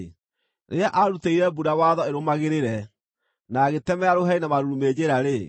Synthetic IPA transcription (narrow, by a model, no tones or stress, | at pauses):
nʔeaʔaɾuteiɾɛbuɾawaðɔeɾomaɣeɾeɾɛ | naɣetɛmɛaɾoɦɛinamaɾuɾumeːd͡ʑeɾaɾe